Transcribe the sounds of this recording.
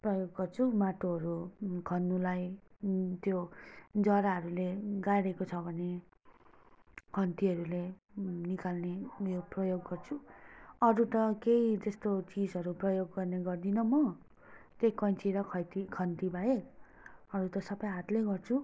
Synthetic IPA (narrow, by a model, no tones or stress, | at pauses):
prʌjoɡːʌrt͡sʰumaʈoɦʌɾukʰʌnːulaj | t̪jod͡zʌɾaɦʌɾuleɡajɾekot͡sʰʌbʱʌne | kʰʌnt̪iʌɾule | nikalnejoprʌjoɡːʌrt͡sʰuʌɾut̪ʌkeid͡zʌst̪ot͡sid͡zɦʌɾuprʌjoɡːʌrneɡʌrd̪inʌmʌ | t̪ekʌnt͡siɾʌkʰʌt̪ikʰʌnt̪ibʱae | ʌɾut̪ʌsʌbʌjɦat̪leɡʌrt͡sʰu